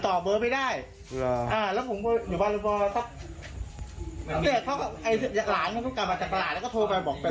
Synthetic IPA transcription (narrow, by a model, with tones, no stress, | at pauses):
t̪ɔː˨˩bɤː˨˦ma˧˩jdaː˥˩j | ʔaː˧˩lɛː˦˥wpʰo˨˩˦kɔː˧juː˨˩baː˧˩nlɯː˧˩bɔː˧sʰa˦˥˩p̚ | ni˥˩kʰa˦˥kɔ˥˩ʔa˧˩jʰɯ˧jaː˨˩k̚laː˨˩˦na˧˥˩kʰɔ˥˩ka˨˩p̚maː˧˩t͡ɕaː˨˩k̚pa˧laː˨˩lːkɔː˥˩t̪ʰu˧pa˧jbɔː˨˩k̚pa˧˩